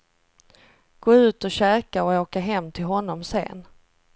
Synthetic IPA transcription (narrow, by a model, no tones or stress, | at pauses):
ɡ̥oːʉ̟ːt̪ɔɕɛːkaɔoːkaɦɛmːt̪ʰɪlɦɔnːɔmsḛːn